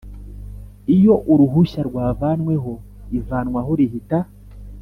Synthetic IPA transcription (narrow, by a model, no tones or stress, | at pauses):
ijo̞ʔuɾuɦuʃaɾɡwaːvanwe̞ɦo̞ | ivaːnŋwaɦoɾihita